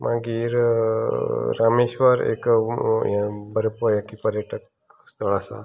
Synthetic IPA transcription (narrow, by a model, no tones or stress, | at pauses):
mʔã̰ɡiɾ | ɾameʃʋəɾḛkjãbəɾpəjãkipəɾjəʈʰək | st̪əɭasa̰